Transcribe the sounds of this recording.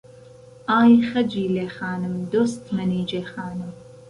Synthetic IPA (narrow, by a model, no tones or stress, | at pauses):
aːjxɐd͡ʒiːleːxaːnɨmd̪oːst̪mɐniːd͡ʒeːxɑːnɨm